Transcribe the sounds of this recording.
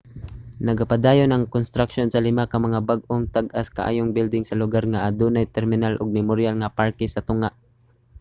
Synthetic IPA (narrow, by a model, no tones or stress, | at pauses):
nɐɡapad̪aːjonɐŋkonst̪ɾakʃonsɐlɪmakɐmɐŋabaɡ̚ʔoŋt̪aɡʔaska̰ʔa̰ːjoŋbɪld̪ɪŋsɐlʊɡaɾŋaʔad̪unajt̪ɛɾmɪnalʔʊɡ̚mɛmoɾjalŋapaɹkɛsɐt̪ʊŋaʔ